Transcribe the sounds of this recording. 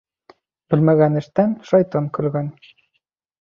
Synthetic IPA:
b̥ɘlmæɣænɘ̆ʃt̪ænʃɑjt̪ɑŋkɵ̆lɡæn

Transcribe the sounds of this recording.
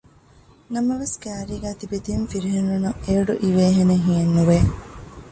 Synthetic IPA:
nɐmɐʋeskæːɾiːɡæːt̪ibet̪ijumfiɾiɦenːunɐŋeoɖṵʔiʋeːɦeneɦienːuʋe

